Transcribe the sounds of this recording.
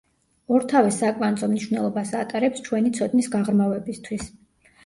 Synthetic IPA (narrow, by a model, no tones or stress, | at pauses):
ɔɾt̪ʰavɛsakʼvanzʼɔmniʃwvnɛlˠɔbasat̪ʼaɾɛpst͡ʃʰwɛnit̪sʰɔd̪nisɡaʁɾmavɛbist̪ʰwis